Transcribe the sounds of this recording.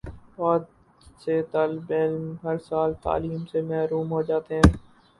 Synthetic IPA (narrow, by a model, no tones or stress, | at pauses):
ʋaːd̪ | set̪aːlbelmɦəɾsaːlt̪a̰ːliːmsemɛɦɾuːmɦoːd͡ʒaːt̪eɦɛ̃ː